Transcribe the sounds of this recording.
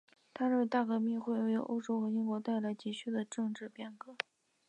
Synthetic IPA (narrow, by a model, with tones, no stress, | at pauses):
t̪ʰa˥ɻ̩ə˥˩˧t̪a˥˩kɤ˧˥mi˥˧xwe˥˩ɪo˧˥jo̰˧˥ʔo˥ʊʈ͡ʂo˥ʊxɤ˧˥i˥nkwɔ˧˥t̪a˥˩ɪla˧˥ɪt͡ɕi˧˥˩t͡ɕʰy˥d̪ə˨ʈ͡ʂɤ˥˧ŋʈ͡ʂɻ̩˥˩pjɛ˥˩nkɤ˧˥